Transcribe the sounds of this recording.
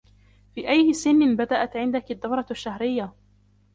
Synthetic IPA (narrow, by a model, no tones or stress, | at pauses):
fiːʔajːɪsɪnːɪbad̪aʔat̪ʕɪnd̪akad̪ːawɾˤɑʃːahɾɪjːa